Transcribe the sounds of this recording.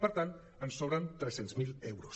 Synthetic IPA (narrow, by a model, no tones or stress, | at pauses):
pəɾt̪ant̪ | ənsɔβɾənt̪ɾɛsenzmilɛwɾos